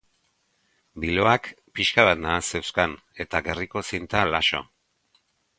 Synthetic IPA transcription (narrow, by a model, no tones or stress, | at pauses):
bilo̞ak | piʃkaβat̪naːse̞wskan | e̞t̪aɣe̞riko̞sint̪alaʃo̰